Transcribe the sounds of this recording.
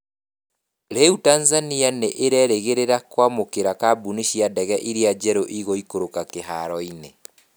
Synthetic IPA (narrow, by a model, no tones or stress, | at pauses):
ɾeutaːnzanianeʔeɾɛɾeɣeɾeɾakwamokeɾakaːbuniʃiadɛɣɛʔiɾead͡ʑɛɾoʔiɣoikoɾokakeɦaɾɔine